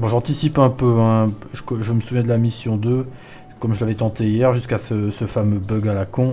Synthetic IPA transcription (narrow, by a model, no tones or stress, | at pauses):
bɔ̃ʒɑ̃t̪isipɛ̃pøɛ̃ʒəkʒəməsuvjɛ̃d̪əlamisjɔ̃d̪ø | kɔmʒəlavɛt̪ɑ̃t̪eijɛʁʒyskasəsəfamøbœɡalakɔ̃